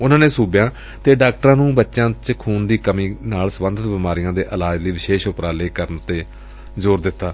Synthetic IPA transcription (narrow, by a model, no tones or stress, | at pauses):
ʊnãːneːsuːbjãː | t̪eːɖaːk̚ʈəɾãːnũːbətːʃãːt͡ʃkʰuːnd̪iːkəmĩːnaːlsəbənd̪ʱət̪bɪmaːɾɪjãːd̪eːʔəlaːd͡ʒd̪iːʋɪʃeːʃʊpɾaːleːkəɾənt̪eː | zoːɾd̪ɪt̪ːaː